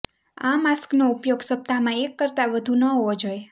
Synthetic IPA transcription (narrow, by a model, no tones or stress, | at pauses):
a̰masknoupjoɡsəp̚t̪amãekːəɾt̪aʋəd̪ʱunəɦoʋod͡ʒoj